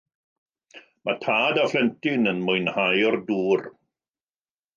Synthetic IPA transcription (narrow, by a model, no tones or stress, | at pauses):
matʰaːdaflɛntɪnənmʊɨnhajɔrduːr